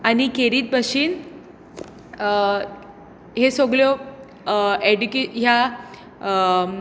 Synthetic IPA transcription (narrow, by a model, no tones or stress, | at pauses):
anikeɾiːt̪̚bʱəɕiːn | ɦesoɡljɔ | eɖukeɦja